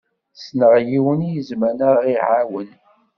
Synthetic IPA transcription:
snəʁjiwənijəzmænəiʕawən

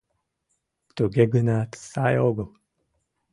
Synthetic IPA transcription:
t̪uɡeɡɯnaːt̪saːjoɡɯm

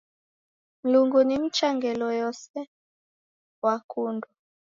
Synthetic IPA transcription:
m̩luŋɡunim̩t͡ʃaŋɡɛlɔjɔsɛ | wakundu

